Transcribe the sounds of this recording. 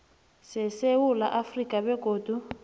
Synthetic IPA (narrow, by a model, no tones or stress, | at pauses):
sɛsewula̰ʔafrikʼaβɛɡ̥ʱoːd̥ʱu